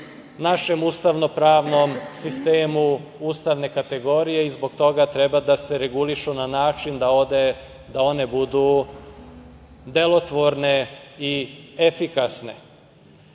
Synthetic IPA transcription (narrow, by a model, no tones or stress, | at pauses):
naʃe̞must̪aʋno̞pɾaːʋnomsist̪eːmuust̪aʋne̞kat̪e̞ɡo̞ɾije̞izbo̞ɡt̪o̞ɡat̪ɾe̞bad̪ase̞ɾe̞ɡuliʃunanaːt͡ʃind̪aod̪e | d̪ao̞ne̞bud̪u | d̪e̞lo̞t̪ʋo̞ɾne̞ie̞fikasne̞̰